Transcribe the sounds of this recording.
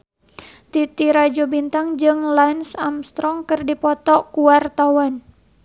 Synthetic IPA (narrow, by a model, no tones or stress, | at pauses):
t̪it̪iɾad͡ʒɔbint̪aŋd͡ʒɨŋlansamst̪ɾɔŋkɨrdipɔt̪ɔkuwart̪awan